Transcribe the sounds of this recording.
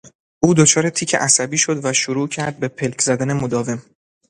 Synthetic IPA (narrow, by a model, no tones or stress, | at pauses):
ʔuːd̪ot͡ʃʰɒːɾe̞t̪ʰiːcʰe̞̰ʔæsæbiːʃo̞d̪væʃoɾuːcʰæɾd̪̚be̞pʰelcʰzæd̪æne̞mod̪ɒːve̞m